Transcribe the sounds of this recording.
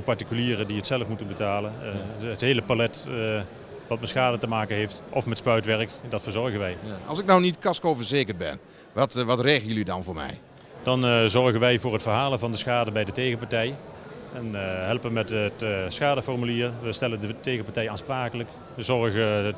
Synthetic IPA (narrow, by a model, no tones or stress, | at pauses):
pɑɹtikyliːrədiətsɛləfmutənbətaːlənətɦejləpalɛt | ʋɑtmɛtsxaːdətəmaːkənɦejftʔɔfmɛtspœɥtʋɛɹəkdɑtfəːɹzɔɹɣənʋɛjɑ̰lˠsɪk̚nɔwnitkɑskowvəɹzeːkəɹbɛ̰n | ʋɑtʋɑtreːɣəjəlidɑnvʊːɹmɛ̰j | d̥ɑnzɔɹɣənʋɛjvʊːrɦətfərɦaːlənvɑndəsxaːdəbɛjdətejɣəpɑɹtɛjɛnɦɛlˠpəmɛtətsxaːdəfɔrmyliːrʋəstɛləndətejɣəpaɹtɛjaːnspraːkələk | əzɔɹɣə